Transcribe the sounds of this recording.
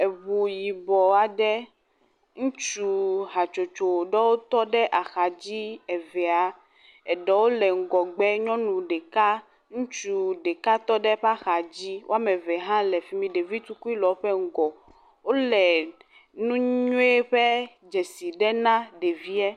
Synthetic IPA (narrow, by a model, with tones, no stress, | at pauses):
e˨βu˨ji˨bɔ˨a˨ɖɛ˦ | ŋũ˦t͡ʃu˦ɦa˨t͡ʃo˨t͡ʃo˨ɖɛ˦wo˦t̪ɔ˦ɖɛ˦ʔa˨xa˨d͡ʑi˦ɛ˨vɛ˨a˨ | ɛ˨ɖɛ˨wo˦lɛ˨ŋ̩˨ɡɔ˨ɡ͡bɛ˦ɲɔ̃˦nũ˨ɖɛ˨ka˦ | ŋũ˦t͡ʃu˨ɖɛ˨ka˦t̪ɔ˦ɖɛ˦ɸa˦xa˨d͡ʑi˦wo̰˦a˦mɛ̃˨vɛ˨ɦã˦lɛ˨fi˨˦mĩ˦ɖe˨vi˦t̪u˦ku˦i˦lɔ˨˦ɸɛ˦ŋ̩˦ɡɔ˨ | wo˦lɛ˨ | nũ˦ɲɲõ˦e˦ɸɛ˦ | d͡ʒɛ˨si˨ɖɛ˦nã˦ɖe˨vi˦ɛ˦